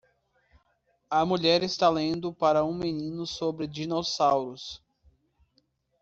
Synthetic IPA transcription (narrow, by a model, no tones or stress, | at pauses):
ɐmuʎɛɾɪst̪alẽnd̪ʊpaɾɐũmenĩnʊsobɾɪd͡ʒinosawɾʊs